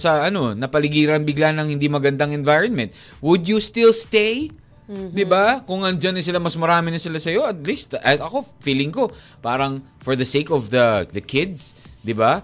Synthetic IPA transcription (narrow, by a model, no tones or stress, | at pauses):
sɐʔɐno̞nɐpɐlɪɡiːɾɐnbɪɡlanɐŋhɪnd̪imɐɡɐnd̪aŋɛnvajɹonmɛnt̪̚ | wʊd̪just̪ɪlst̪ej | d̪ɪbakʊŋʔɐnd͡ʒanɪsɪlamɐsmɐɾaːmɪnɐsɪlasɐjo̞ɐt̪̚list̪ɐt̪ɐko̞fiːlɪŋko̞ | paːɾɐŋ | fɔɹðɐsejkɔvðɐd̪ɐkʰɪd̪̚sd̪ɪba